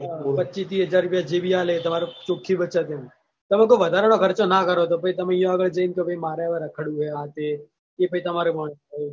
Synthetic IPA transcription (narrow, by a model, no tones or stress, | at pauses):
pətːt͡ʃit̪iɦəd͡ʒaɾːʊpjad͡ʒebʱialet̪əmaɾot͡ʃokʰːibətːt͡ʃat̪em | t̪əmẽk̬oʋəd̪ʱaɾanokəɾt͡ʃonakəɾot̪̬opəit̪əmẽjũəɡəɭd͡ʒəint̪obʱəimaɾeʋeɾəkʰəɽũɦeat̪e | kepəit̪əmaɾemə